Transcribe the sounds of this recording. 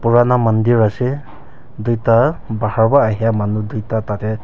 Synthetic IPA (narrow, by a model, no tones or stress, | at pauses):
puɹanamandiɹasɛ | dujtabahaɹbaːɦijamanudujtatatɛ